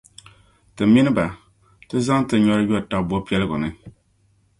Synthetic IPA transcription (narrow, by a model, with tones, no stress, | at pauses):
tɨ˨mi˦nɨ˦ba˨ | tɨ˦za˦ŋ˦tɨ˨ɲɔ˦ɾɨ˦jɔ˦˨ta˨bɔ˦pi˦ɛ˦lɨ˦ɡʊ˨nɨ˦